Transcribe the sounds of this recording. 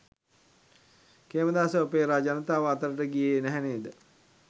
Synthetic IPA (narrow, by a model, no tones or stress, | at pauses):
keːməd̪aːsəopeːɾad͡ʒanət̪aːʋəat̪əɾəʈəɡijenæɦɛneːd̪ə